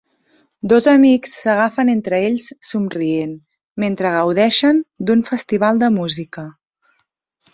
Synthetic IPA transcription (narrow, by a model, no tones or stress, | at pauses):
d̪ozəmiksːəɣafənent̪ɾəeʎssumrien | ment̪ɾəɣ̞əwðɛʃənd̪uɱfəst̪iβ̞alˠd̪əmuzikə